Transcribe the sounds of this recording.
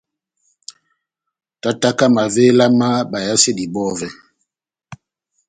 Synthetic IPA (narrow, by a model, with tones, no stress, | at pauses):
ta˦ta˦ka˦ma˨ve˦la˦ma˦ba˨ja˦se˦di˨bɔ˦vɛ˨